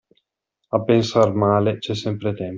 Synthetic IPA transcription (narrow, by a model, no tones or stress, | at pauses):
apensaɾmaːlet͡ʃesẽmpɾet̪em